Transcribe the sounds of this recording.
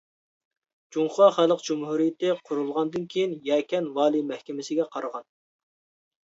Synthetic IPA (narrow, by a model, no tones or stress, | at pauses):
d͡ʒuŋχˠɑχælˠəqd͡ʒumhuɾijɪt̪ɪqʰʊɾulˠʁɑnd̪ɨnkʲʰejinjɛkʲɛnwɑːlˠimɛhkʲɪmɪsɪɡʲɛqʰɑɾəʁɑn